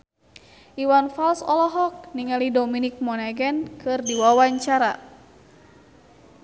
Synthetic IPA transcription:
ʔiwanfalsɔlɔɦɔk̚niŋalidɔminik̚mɔnaɡɛnkʰɨrdiwawaɲt͡ʃaɾa

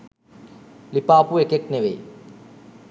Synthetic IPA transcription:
lipaːpuekekneʋḛ

